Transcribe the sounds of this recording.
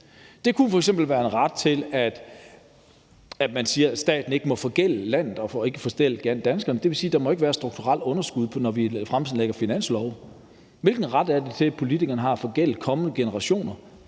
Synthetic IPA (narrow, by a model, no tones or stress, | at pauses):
d̥e̝kʰufɒ̽eɡ̥semb̥l̩ʋæːɐenʁɑ̈d̥̚t͡sʰe̝læd̥ | æd̥mænsiːɐsd̥ɛ̰ːd̥n̩e̝ɡ̥əmɒ̽fɒ̽ɡ̥el̰əlæn̰ð̩ˠɒ̽fɒe̝ɡ̥əfɒ̽sd̥el̰əɡ̥æn̰d̥ænsɡ̥ɐnəd̥e̝ʋe̝siːd̥ɑ̈mɒ̽eɡ̥əʋæːɐsd̥ʁuɡ̥̚t͡sʰuʁɑ̈l̰ɔ̽nɐsɡ̥uð̞̰ˠpʰɒ̽nɒʋifʁamt͡sʰð̩ˠleɡ̥ɐfinæn̰slɒʊ | ʋe̝lɡ̥n̩ʁɑ̈d̥æɐd̥e̝t͡sʰe̝pʰo̝lit͡sʰiɡ̥ɐnəɦɑ̈æfɒ̽ɡ̥el̰əkʰɒ̽mənəɡ̥e̝nəʁɑ̈ɕo̝̰ːnɐ